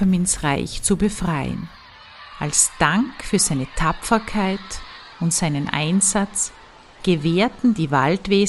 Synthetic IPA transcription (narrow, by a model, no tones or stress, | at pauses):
əɐmɪnsʁaɪçt͡subəfʁ̥aɪən | ʔalsd̥aŋkfyːɐz̥aɪnətʰapfɐkʰaɪt | ʊntz̥aɪnənʔa̰ɪnzat͡s | ɡ̥əveːɐtn̩diːva̰ltv̥eː